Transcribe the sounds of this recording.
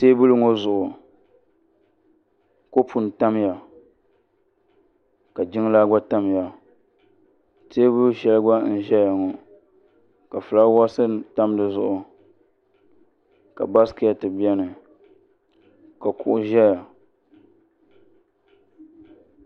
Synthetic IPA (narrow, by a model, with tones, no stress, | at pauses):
teː˦bʊ˦lɨ˦ŋo˦zʊ˨ʔʊ˨ | ko˦pu˨n˨ta˦mja˨ | ka˨d͡ʒɪ˦ŋ˦la˦ɡa˦ta˦m˨ja˨ | teː˦bʊ˦lʃɛ˦lɨ˦ɡa˦n̩˦ʒɛ˦ja˨ŋo˨ | ka˨fɨ˨la˦wa˦sɨ˦ta˦m˦dɨ˨zʊ˨ʔʊ˨ | ka̰˨ba˦skɨ˦ja˨tɨ˨bi˦ɛ˦nɨ˨ | ka˨kʊ˨ʔʊ˦ʒɛ˦ja˨